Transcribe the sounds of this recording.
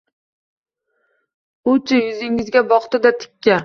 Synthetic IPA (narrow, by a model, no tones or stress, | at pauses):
ʊt͡ʃʰajʊzɪŋɪzɡʲabɒχt̪ɪd̪at̪ʰɪ̥kʲʰːa